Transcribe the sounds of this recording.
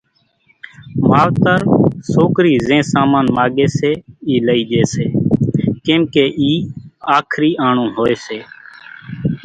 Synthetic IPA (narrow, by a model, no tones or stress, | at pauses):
maːʋt̪əɾsoːkɾiːzẽːsaːmãːnmaːɠeːseːiːləiːɗeːseːkẽːmkeːʔiːaːkʰɾiːʔaːɳũːɦoːeːseː